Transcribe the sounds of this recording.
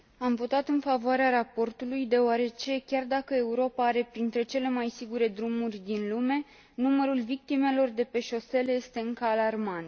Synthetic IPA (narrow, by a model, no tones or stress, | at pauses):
amvo̞t̪at̪ɨnfavoaɾeaɾapo̞rt̪ulujd̪e̞oaɾe̞t͡ʃe̞kʲard̪akəe̞uɾo̞paaɾe̞pɾint̪ɾe̞t͡ʃe̞le̞majsiɡuɾe̞d̪ɾumurʲd̪inlume̞ | numəɾulvik̚t̪ime̞lo̞rd̪e̞pe̞ʃo̞se̞lje̞st̪e̞ɨŋkəalarmant̪